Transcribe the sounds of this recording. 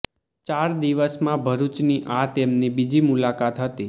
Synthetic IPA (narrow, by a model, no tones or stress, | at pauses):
t͡ʃaɾd̪iʋəsmãbʱəɾut͡ʃniʔat̪emnibid͡ʒimulakat̪ɦət̪i